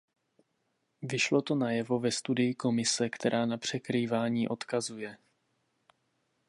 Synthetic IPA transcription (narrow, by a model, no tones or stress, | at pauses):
vɪʃlo̞t̪o̞najɛvo̞vɛst̪udɪjɪko̞mɪsɛkt̪ɛɾʔaːnapr̝̥ɛkɾiːvaːɲiːʔo̞t̪kazujɛ